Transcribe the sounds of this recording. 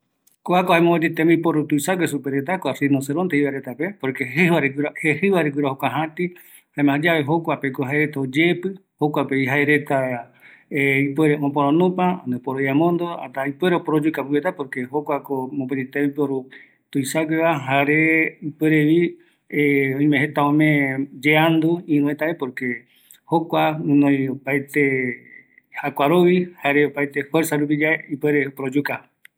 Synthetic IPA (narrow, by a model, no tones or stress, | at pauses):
koakohaemõpet̪it̪emẽipoɾut̪uisaɡʷesupeɾet̪akoasinoseɾont̪eiβaɾet̪apepoɾkeβaɾeɡɾhehɨβaɾeɡɨɾahokʷaɦãt̪i | haemããd͡ʒaβeɦokʷapekoɦaeɾet̪aod͡ʒepɨhokʷapeiɦaeɾe̞t̪a | eipeɾeopoɾõnũpaa̰nepoɾojamõnd̪oa̰t̪aipweɾeopoɾod͡ʒukapɨet̪apoɾkeɦokʷakomõpet̪it̪eipoɾu | t̪ujsakeβaɦaɾeipweɾeβi | eõĩmẽɦet̪aõmẽd͡ʒeand̪uĩɾũet̪aepoɾke | hokʷaũnõj̃opaet̪e | hakʷaɾoβihaɾeopaet̪efweɾsaɾupid͡ʒaeipweɾeopoɾod͡ʒuka